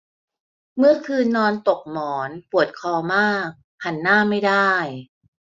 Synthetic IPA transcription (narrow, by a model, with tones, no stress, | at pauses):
mɯ˥˩ɐkʰɯː˧nːɔː˧nt̪o˨˩k̚mɔː˩˦npu˨˩ət̪̚kʰɔː˧maː˥˩k̚ | ha˨˩˦nːaː˥˩ma˥˩jdaː˥˩j